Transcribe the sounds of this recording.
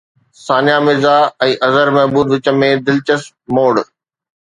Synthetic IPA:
saːnjamɪzaɛ̃ːʔɐzəɾmɛɦbuːd̪ʋɪt͡ɕə̆mẽd̪ɪlt͡ɕəs | moːɽ

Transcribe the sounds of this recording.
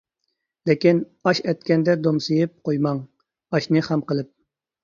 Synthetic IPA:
lɪkʲin | ɑʃɛt̪̚kʲɛnd̪ɛd̪omsɨjɪp̚qʰojmɑŋ | ɑʃnɨχɛmqəlˠɨp̚

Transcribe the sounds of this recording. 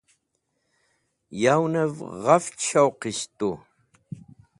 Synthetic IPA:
jawnɐvʁɐft͡ʃʰawqistʼu

